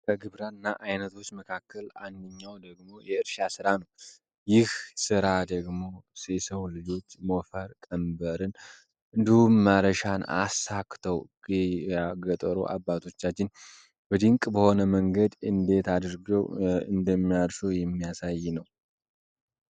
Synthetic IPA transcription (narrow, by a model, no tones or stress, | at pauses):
kʰəɡɨβɾanːaʔajnət̪ʰo̞t͡ʃːməkʰakːəland̪ɨɲːawd̪əɡmo̞jɛɨɾʃasɨɾanəw | jɪhsɨɾad̪əɡmo̞sesəwlɨd͡ʒo̞t͡ʃːmofəɾkʼəmbəɾɨn | ʔɨnd̪ihumːaɾəʃana̰sakt̪ʰəw | aɡət̪ʼəɾo̰ʔa̰bːat̪ʰo̞t͡ʃːat͡ʃːɪn | bəd̪ɨŋkʼbəho̞nəməŋɡəd̪ɨnd̪e̞t̪ad̪ɾɡəwɨ̰nd̪əmːijaɾsojɛmːijasajːɛnəw